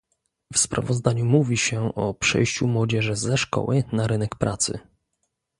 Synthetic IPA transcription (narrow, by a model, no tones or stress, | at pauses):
fspɾa̰vɔzd̪aɲumuvʲiɕɛʔɔpʂɛ̰jɕt͡ɕumwɔd͡ʑɛʐɘzɛʂkɔ̰wʔɘnaɾɘnɛkpɾʔat̪sɘ̰